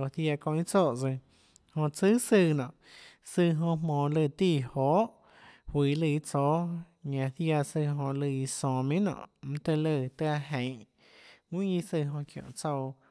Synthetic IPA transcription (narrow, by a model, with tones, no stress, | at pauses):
o˧˨θja˧kõ˧i˦t͡soː˦˧˨ʔt͡sɨ˧ | hõ˧t͡sɨ˦sɨ˧nɔ̰̃˨ʔ | sɨ˧ɦõ˧mmõː˨lɨ˧˨t̪iː˦˧˨hoː˨˦ʔ | hwiː˨lɨ˧˨i˦t͡soː˦ | ɲã˧˨θja˧sɨ˧ɦõ˧lɨ˧i˧sõː˧˨mĩ˦nɔ̰̃˨ʔm̩̃˧˦t̪ɨ˧lɨ˧˨t̪ɨ˧a˧ɦẽ˨ʔ | ŋĩ˦ji˧sɨ˧ɦõ˧kjõ̰˧˨t͡so˧w